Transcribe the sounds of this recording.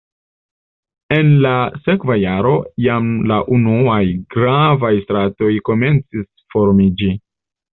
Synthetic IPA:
e̞nlase̞kvajaɾo̞jamlaʔunuajɡɾavajstɾato̞jko̞me̞nt͡sis | fo̞ɾmid͡ʒi

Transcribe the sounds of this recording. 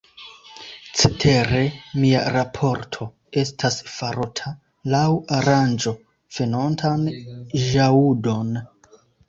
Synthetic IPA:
t͡setʰe̞ɾe̞mia̰ɾapʰo̞ɾtʰo̞ | e̞stʰasfaɾotʰa | lawaɾand͡ʒo̞ | fe̞nontʰanʒaudo̞n

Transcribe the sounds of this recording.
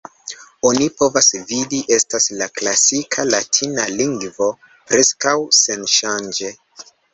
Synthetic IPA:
o̞nipo̞vasvidiʔe̞staslaklasikʰalatʰinaliŋɡvo̞ | pɾe̞skawse̞nʃand͡ʒe̞

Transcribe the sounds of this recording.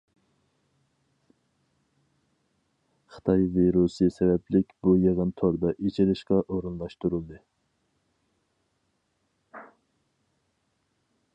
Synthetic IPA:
χə̥t̪ʰɑjviɾusɨsɛvɛpʰlɪkʲbujeʁənt̪ʰoɾd̪ɑʔit͡ʃʰeɾɪʃqɑʔoɾunlˠɑʃt̪uɾulˠd̪ɨ

